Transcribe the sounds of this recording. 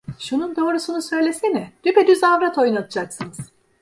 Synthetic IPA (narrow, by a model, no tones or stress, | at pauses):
ʃunund̪o̞ːɾusunusø̞jlʲe̞sinɛd̪̥yped̪yzavɾat̪ʰo̞junat̪ʰɯd͡ʒaksɯnɯz̥